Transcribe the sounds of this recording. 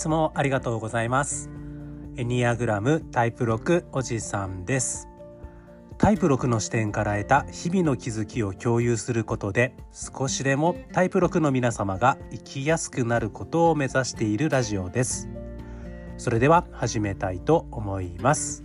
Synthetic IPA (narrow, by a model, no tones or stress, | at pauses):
it͡sɨmo̞ʔaɾʲiɡat̪o̞ːɡo̞zaimasɨ̥ | eɲʲiaɡɯ̟ɾamɯ̟t̪aipɯ̟ɾo̞kɯ̟o̞ʑisãnd̪e̞sɨ̥ | t̪ʰaipɯ̟ɾo̞kɯ̟no̞ɕi̥t̪ẽ̞ŋkaɾae̞t̪açibʲino̞kʲizɨkʲio̞kʲo̞ːjɯːsɨɾɯ̟ko̞t̪o̞d̪e̞sɨ̥ko̞ɕid̪e̞mo̞t̪aipɯ̟ɾo̞kɯ̟no̞mʲinasamaɡaikʲʰijasɨ̥kɯ̟naɾɯ̟ko̞t̪o̞ːme̞zaɕi̥t̪e̞iɾɯ̟ɾaʑio̞d̪e̞sɨ̥ | so̞ɾe̞d̪e̞βahaʑime̞t̪ait̪o̞ːmo̞imasɨ̥